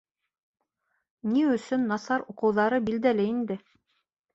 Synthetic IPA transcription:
niɵ̆sɵnːɑsɑɾuqɤ̆wðɑɾɤbild̪ælɘind̪ɘ

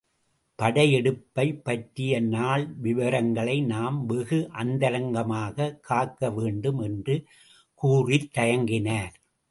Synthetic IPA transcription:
pɐɽɐjɛɽɯpːɐɪpːɐʈːɪjɐnaːɭʋɪʋɐɾɐŋɡɐɭɐɪnaːmʋɪɣɯʔɐnd̪ɐɾɐŋɡɐmaːɣɐkʰːaːkːɐʋeːɳɖɯmɛndrɯ | kuːrɪt̪ːɐjɐŋɡɪnaːɾ

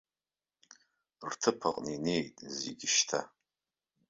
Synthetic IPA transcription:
rtʰɨpʰaqʼnine̞jtʼzḛɡʲɪʃtʰa̰

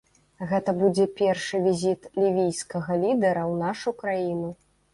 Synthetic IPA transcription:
ɣɛt̪ɐbud͡zʲɛpʲɛrʂɨvʲizʲit̪lʲivʲijskɐɣɐlʲid̪ɛɾɐwnaʂukɾajinu

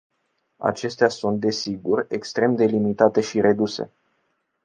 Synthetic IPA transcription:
a̰t͡ʃe̞st̪easunt̪̚d̪e̞siɡurʲe̞kst̪ɾe̞md̪e̞limit̪at̪e̞ʃiɾe̞d̪use̞̰

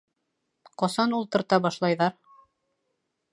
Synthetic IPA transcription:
qɑsɑnulˠt̪ɤ̆ɾt̪ɑbɑʃlˠɑjðɑɾ

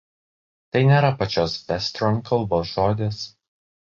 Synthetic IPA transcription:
t̪ɐɪnʲeːɾɐpɐt͡ʃʲoːsɛsʲt̪ʲɾɔnʲkʰɐlˠboːsʒoːd̪ʲes

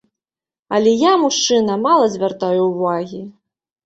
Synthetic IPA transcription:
ɐlʲɛjamuʂt͡ʂɨnɐmalˠɐzʲvʲart̪ajuwvaɣʲi

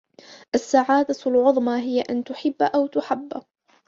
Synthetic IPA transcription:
ʔasːaʕaːd̪alʕʊðˤmɑɦɪjaʔant̪ʊħɪbːʔawt̪ʊħabː

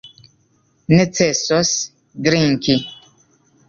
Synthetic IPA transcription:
nɛt͡sɛsɔs | ɡɾiŋ̩ki

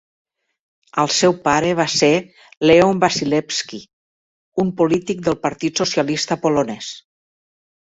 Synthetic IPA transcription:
əlˠsɛwpaɾəβ̞ase | leombasilɛpski | umpulit̪ik̚d̪əlˠpəɾt̪it̪susiəlist̪əpolonɛs

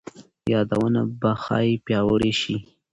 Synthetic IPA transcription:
jɑd̪awənabaxɑ̰jipjɑwəɽeʃi

